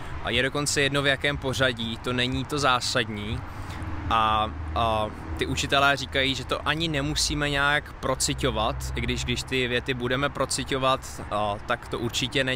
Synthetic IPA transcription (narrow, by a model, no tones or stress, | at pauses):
jɛdo̞ko̞nt͡sɛjɛdno̞vjakɛːmpo̞r̝aɟit̪o̞nɛɲiːt̪o̞zaːsadɲiː | ʔa | t̪ɪʔut͡ʃɪt̪ɛlɛːriːkajiːʒɛt̪o̞ʔaɲɪnɛmusiːmɛɲaːkpɾo̞t͡sɪco̞vat̪ɪɡdɪʒɡdɪʃt̪ɪvjɛt̪ɪbudɛmɛpɾo̞t͡sɪco̞vat̪t̪ːakt̪o̞ʔuɾt͡ʃɪcɛnɛ